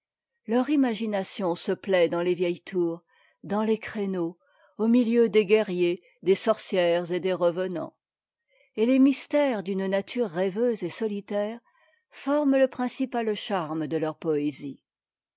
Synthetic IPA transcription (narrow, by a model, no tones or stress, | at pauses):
lœʁimaʒinasjɔ̃səplɛd̪ɑ̃levjɛjt̪ʰuːʁ | d̪ɑ̃lekχeno | omiljød̪eɡɛʁje | d̪esɔʁsjɛʁzed̪eʁəvənɑ̰̃ | elemist̪ɛʁd̪ynnat̪ʰyʁːɛvøzesɔlit̪ɛːʁ | fɔʁmləpχɛ̃sipalʃaʁməd̪əlœʁpɔezi